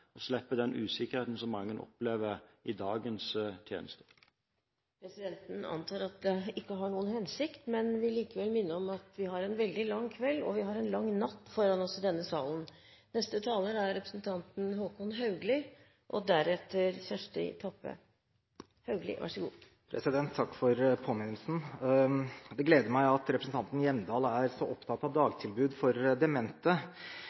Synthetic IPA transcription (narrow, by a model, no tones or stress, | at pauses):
ɔslɛpːəd̪ɛnʔʉ̰ːsɪkːəɾheɪt̪n̩sɔmːɑŋːənʔɔ̰pleːʋəɪd̪ɑːɡənst̪ʰjḛːnəst̪ə̥ | pʰɾɛsɪd̪ɛnt̪ənɑ̰nt̪ʰɑːɾɑt̪̚d̪ɛɪkːəɦɑɳuːənhɛnsɪkt̪mɛnʋɪliːkəʋɛlmɪnːəɾɔmɑt̪ʋɪhɑɾɛnʋɛld̪ɪlɑŋːkʰʋɛlːɔ̰ʋɪɦɑɾɛnlɑŋːnɑt̪ːfɔɾɑnɔsd̪ɛnːəsɑːln̩ | nɛst̪ət̪ʰɑːləɾəæɾːɛpɾə̥snt̪ʰɑnt̪n̩ɦoːkʊnɦɑʉɡlɪ | ʔɔd̪æɾɛt̪ːəɾçæʂʈɪ̰t̪ʰɑpːə̰ | hɑʉɡlɪ̰ʋæ̰ʂəɡṵː | pʰɾɛ̰sɪd̪ɛnt̪ʰːɑkːfɔɾpʰoːmɪnəlsn̩ | d̪ɛɡleːd̪əɾmæɪɑt̪ɾɛpɾəsn̩t̪ɑnt̪n̩jɛməd̪ɑːlæɾsɔʔɔpt̪ʰɑt̪ːɑʋd̪ɑːɡt̪ʰɪlbʉːd̪fɔɾd̪ɛmɛnt̪ə